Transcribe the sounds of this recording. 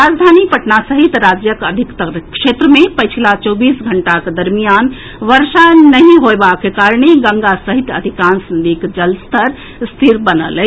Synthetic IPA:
ɾad͡ʒd̪ʱanipəʈnasəɦit̪ɾad͡ʒjəkəd̪ʱikt̪əɾkʃet̪ɾəmepət͡ʃʰilat͡ʃɔbisɡʱəɳʈaked̪əɾmijan | ʋəɾsanəɦĩɦoebakekaɾɳeɡəŋɡasəɦit̪əd̪ʱikansənd̪ikd͡ʒəlst̪əɾ | st̪ʰiɾbənə̰lɛ

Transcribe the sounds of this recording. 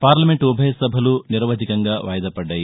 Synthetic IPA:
paːɾlɐmeɳʈubʱɐjɐsɐbʱɐluniɾʋɐd̪ʱikɐŋɡaːʋɐːjɐd̪ɐpɐɖːɐːji

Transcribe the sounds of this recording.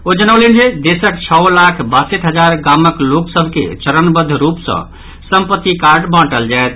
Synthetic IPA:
od͡ʒənəʊlend͡ʒed̪esəkt͡ʃʰɔwlakʰbasəʈʰɦəd͡ʒaɾɡaməkloksəbʱkḛt͡ʃəɾənbəd̪ʱːɾupsə̰̃ | səmpət̪ːikaɾɖbãʈəld͡ʒaet̪ʰ

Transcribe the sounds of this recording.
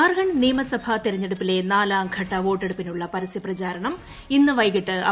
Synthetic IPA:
aːrɡɐɳniːmɐsɐbʱɐt̪iɾɐɲːeɽupːile̞naːlaːmɡʱɐʈːɐʋo̞ːʈːe̞ɽupːinuɭːɐpɐɾɐsjɐprɐt͡ɕaːɾɐɳɐm | inːɨʋɐjɣiʈːɨɐ̰

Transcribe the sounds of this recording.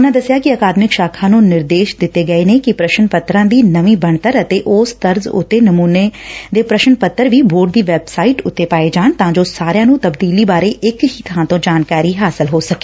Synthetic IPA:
ʊnãːd̪əsɪjaːkɪəkaːd̪mɪkʃaːkʰãːnũːnɪɾd̪eːʃd̪ɪt̪ːeːɡəeːnekɪpɾəʃənpət̪ɾãːd̪iːnəʋĩːbəɳt̪əɾət̪eːʔʊːst̪əɾzʊ̰t̪ːeːnəmuːned̪eːpɾəʃənpət̪ːəɾʋiːboːɖ̚d̪iːʋɛːbsaːiʈʊt̪ːeːpaːed͡ʒaːnt̪ãːd͡ʒoːsaːɾejãːnũːt̪əbd̪iːliːbaːɾeːʔɪkɦiːt̪ʰãːt̪õːd͡ʒaːnkaːɾiːɦaːsɪlɦoːsəke̥ː

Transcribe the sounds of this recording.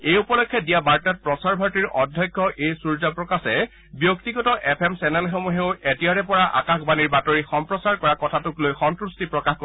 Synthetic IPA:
ejupɔlɔkʰːɛdijabaɹtat̚pɹɔsaɹbʱaɹtiɹʔɔdʱjɔkʰːɔʔejsuɹzapɹɔkasɛ | bjɔktiɡɔtɔʔɛpʰɛmsɛnɛlxɔmuɦeʊetiaɹɛpɔɹaʔa̰kaxbaniɹbatɔɹixɔmpɹɔsaɹkɔɹakɔtʰatuklojxɔntɹustipɹɔkaxko

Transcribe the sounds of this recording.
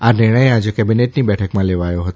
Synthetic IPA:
anɪɾɳəjad͡ʒekɛbineʈnibɛʈʰəkmãleʋajoɦət̪o

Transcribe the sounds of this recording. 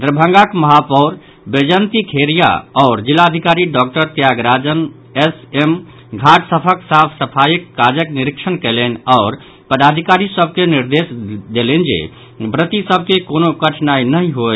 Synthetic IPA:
d̪ɾəbʱəŋɡakməɦapɔʊɾ | bed͡ʒənt̪ikʰeɾija̰ɔːɾd͡ʒilːad̪ʱikaɾiɖɔk̚ʈəɾt̪jaɡɾad͡ʒən | esem | ɡʱaʈsəpʰəksapʰsəpʰajikːad͡ʒəkniɾikʃənkɛlɛnɔːɾ | pəd̪ad̪ʱikaɾisəb̚ʱkeniɾd̪esd̪elend͡ʒḛ | bɾət̪isəb̚ʱkekonokəʈʰnainəɦĩɦo

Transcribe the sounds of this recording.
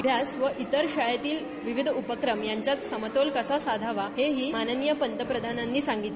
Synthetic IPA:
bʱjasʋəʔit̪əɾɕajat̪iːl | ʋiʋid̪ʱupəkɾəmjaɲt͡ɕjat̪səmət̪olkəsasad̪ʱaʋaɦeɦiːmanənjəpənt̪əpɾəd̪ʱananːiːsaŋɡit̪

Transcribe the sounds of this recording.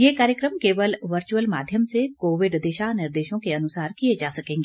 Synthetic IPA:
jeːkaːɾjəkɾəmkeːʋəlʋəɾt͡ʃuəlma̰ːd̪ʱjəmsekoːʋɪɖd̪eːʃanɪɾd̪eːʃõkeɐnʊsaːɾkijed͡ʒaːsɐkẽːŋɡeː

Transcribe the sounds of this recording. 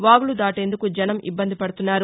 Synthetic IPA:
ʋaːɡulud̪aːʈe̞ːnd̪ukud͡ʒɐnɐmḭbːɐnd̪ipɐɽut̪unːaːɾu

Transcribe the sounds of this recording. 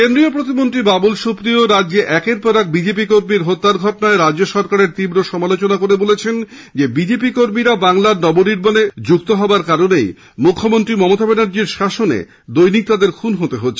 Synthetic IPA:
kend̪ɾiopɾot̪imont̪ɾibabulʃupɾioɾadːʑeʔɛkeɾpɔɾɛk̚bid͡ʑep̬ikoɾmiɾɦot̪ːaɾɡʱɔʈonaeɾad͡ʑd͡ʑoʃɔɾkaɾeɾt̪ibɾoʃɔmalot͡ɕonakoɾebolet͡ɕʰen | d͡ʑebid͡ʑep̬ikoɾmiɾabaŋlaɾnɔboniɾbʱoned͡ʑukt̪oɦɔaɾkaɾonej | mukʰːomont̪ɾimɔmot̪abenaɾd͡ʑiɾʃaʃonḛ | d̪ojnik̚t̪ad̪eɾkʰunɦot̪eɦotːʰe

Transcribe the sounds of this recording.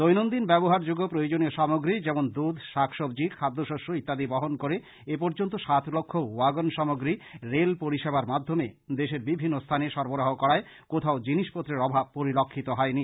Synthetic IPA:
d̪ojnond̪inbɛboɦaɾd͡ʑuɡːopɾojod͡ʑonioʃamoɡɾid͡ʑɛmond̪ud̪ʃakʰʃobd͡ʑikʰad̪ːoʃoʃoit̪ːad̪ibɔɦonkoɾe | ep̬ɔɾd͡ʑont̪oʃat̪ʰlokʰːowaɡonʃɔmoɡɾiɾelpoɾiʃebaɾmad̪ʱːomed̪eʃeɾbibʱinːost̪ʰaneʃɔɾboɾaɦokɔɾae | kot̪ʰaod͡ʑiniʃpot̪ːɾeɾɔbʱab̚poɾilokʰːit̪oɦɔeni

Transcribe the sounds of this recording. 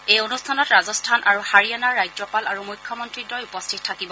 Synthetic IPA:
ejonustʰanɔtɹazɔstʰanʔaɹuhaɹianaɹːajd͡ʒɔpalaɹumujkʰːjɔmɔntɹidɔjupɔstʰit̚tʰːakibɔ

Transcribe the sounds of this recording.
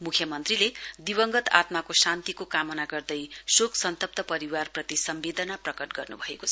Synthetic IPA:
mukʰjʌmʌnt̪riled̪ibʌŋɡʌt̪a̰t̪makosant̪ikokamʌnaɡʌrd̪ʌjsoksʌnt̪ʌp̚t̪ʌpʌɾiwarprʌt̪isʌmbed̪ʌnaprʌkʌʈɡʌrnṵbʱʌekot͡sʰʌ

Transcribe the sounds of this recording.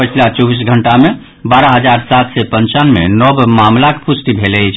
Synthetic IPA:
pət͡ʃʰilat͡ʃɔbis̬ɡʱəɳʈame | baɾaɦəd͡ʒaɾsat̪ʰsɛpənt͡ʃanmḛnɔbmamlakpusʈibʱelət͡ʃʰ

